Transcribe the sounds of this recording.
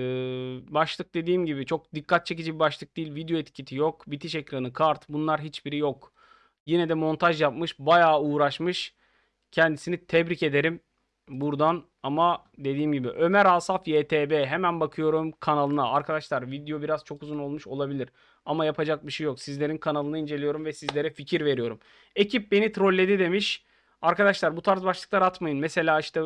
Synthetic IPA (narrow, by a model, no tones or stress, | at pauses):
baʃlˠɯk̚d̪e̞d̪iːmɟibit͡ʃʰo̞k̚d̪ikʰːat̪̚t͡ʃʰe̞c̬id͡ʒibibaʃlˠɯk̚d̪iːlʲvid̪joɛt̪cʰit̪ʰijo̞kbit̪ʰiʃecɾanɯkʰaɾt̪bunlˠaɾɦit͡ʃbiɾijo̞k | jinɛd̪ɛmo̞nt̪ʰaʒjap̚mɯʃbajaːuːɾaʃmɯʃ | cʰɛnd̪isinit̪ʰɛbɾice̞d̪e̞ɾim | buɾd̪an | ama | d̪e̞d̪iːmɟibḭʔø̞mæɾasafjeːt̪ʰeːbeːɦemænbakʰɯjo̞ɾumkʰanalˠɯnaaɾkʰad̪aʃlˠaɾvid̪ijo̞biɾaz̥t͡ʃʰo̞kuzuno̞lˠmuʃo̞lˠabilʲiɾ | amajapʰad͡ʒak̚biʃejːoksizlʲeɾinkʰanalˠɯnaind͡ʒe̞lʲijo̞ɾumvɛsizlʲe̞ɾɛficʰiɾve̞ɾijo̞ɾum | ecʰip̚be̞nit̪ʰɾo̞lʲːe̞d̪id̪e̞miʃ | aɾkad̪aʃlˠaɾbut̪ʰaɾzbaʃlˠɯklˠaɾat̪majɯnmɛse̞lʲaːiʃt̪ɛ